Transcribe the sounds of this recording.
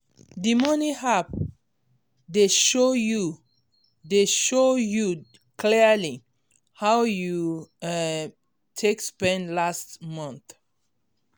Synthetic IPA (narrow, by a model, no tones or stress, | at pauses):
dimʌnihap̚ | deʃoju | deʃoju | kʰlili | hawju | tʰekspɛ̃nlastmʌ̃nθ